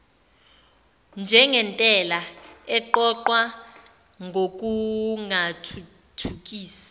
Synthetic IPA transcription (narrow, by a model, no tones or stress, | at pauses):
nd͡ʒʱɛŋɛntʼɛlaɛǃɔǃwa | ŋʱok̬ʼuŋatʰu | tʰuk̬ʼiːsḁ